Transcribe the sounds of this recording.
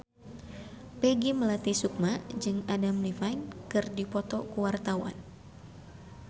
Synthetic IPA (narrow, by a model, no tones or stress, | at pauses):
pɛɡiməlat̪isuk̚mad͡ʒɨŋadamlifajnkɨrdipɔt̪ɔkuwart̪awa̰n